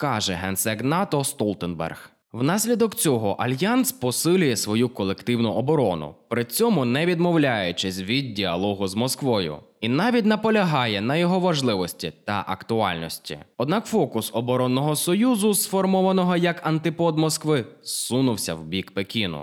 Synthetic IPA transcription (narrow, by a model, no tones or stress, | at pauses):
kɑʒɛ̰ɦɛnsɛɡnɑt̪ɔst̪ɔlˠt̪ɛnbɛ̰rx | wnɑsʲlʲid̪ɔkt͡sʲɔɦɔʔɐlʲjanspɔsɪlʲʊjɛsʋɔjukɔlˠekt̪ɪwnʊʔɔbɔɾɔnʊ̰pɾɪt͡sʲɔmʊnɛʋʲid̪mɔwlʲajʊt͡ʃɪsʲʋʲid̪̚dʲiɐlˠɔɦʊzmɔskʋɔjʊ̰inɑʋʲit̬ʲnɐpɔlʲɐɦɑjɛnɐjɔɦɔʋɐʒlˠɪʋɔsʲtʲit̪ɐ̰ʔɐkt̪ʊɑ̰lʲnɔsʲtʲḭɔd̪nɑkfɔkʊsɔbɔɾɔnːɔɦɔsɔjuzʊsfɔrmɔʋɐnɔɦɔjɐkɐnt̪ɪpɔd̪mɔskʋɪsunʊwsʲɐwbʲikpekʲinʊ̰